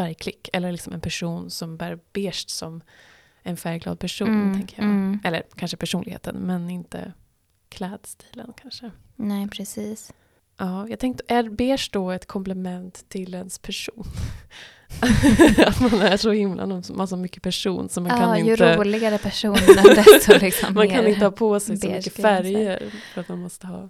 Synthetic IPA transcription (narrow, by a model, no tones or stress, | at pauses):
fæɾjkʰlɪkːɛlːəlɪksɔmɛnpʰæʂuːnsɔmbæːɾb̥eːʂʈsɔm | ɛnfæːɾɡlɑ̰ːd̪̚pʰæʂuːnt̪ʰɛŋkəjaʔɛlːə̰ɾkʰanʂəpʰæʂuːnɪɡheːt̪ʰə̰nmɛnɪnt̪ə̰ | kʰlɛːd̪st̪ʰi̥ːlə̰nkʰanʂə | nɛpʰɾɛsiːs | ʔɑːjɑɡt̪ʰɛŋk̚t̪əʔæɾbeːʂdɔɛt̪kʰɔmplɛmɛnt̪ʰːɪlɛnspʰæʂuːn | at̪manæɾsɔhɪmlʔa̰nɔmsmasɔmʏkːə̥pʰæʂṵːnsɔmankʰanɪnj̪ɾəlɪɡaɾəpʰæʂuː | lksmankʰanɪnəhɑːpʰɔsɛjsɔmʏkːəffæɾjəɾfœɾat̪manmɔst̪əhɑ̰ː